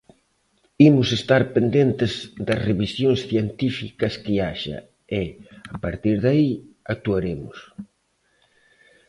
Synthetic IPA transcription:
imʊsest̪aɾpend̪ent̪ɪzd̪ɐsreβisjoŋsθjent̪ifikɐskɪaʃɐ̰ | ɪapaɾt̪iɾðaiak̚t̪uaɾemʊ̰s

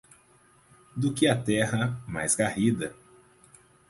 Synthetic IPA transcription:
d̪ʊkɪɐt̪ɛɦɐma̰jzɡahid̪ɐ

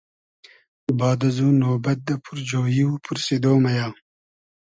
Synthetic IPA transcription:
bɑːd̪ɐzuːnoːbɐt̪̚d̪ɐpʰuɾd͡ʒoːjiwupʰuɾsed̪oːmɐjɑː

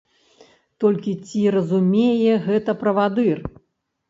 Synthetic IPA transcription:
t̪ɔlʲkʲit͡sʲiɾɐzumʲejɛɣɛt̪ɐpɾɐvad̪ɨr

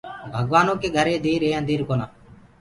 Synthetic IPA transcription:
bʱəɠʋaːnõːkeːɡʱəɾeːd̪iːɾeːənd̪iːɾkoːnaː

